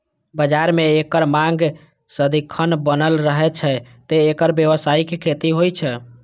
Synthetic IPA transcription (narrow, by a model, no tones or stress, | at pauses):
bəd͡ʒaɾmeːkəɾmãŋɡ | səd̪ikʰːənbənəlɾəɦɛt͡ʃʰɛ | t̪eːkəɾbjeʋəsaikekʰet̪iɦojt͡ʃʰɛ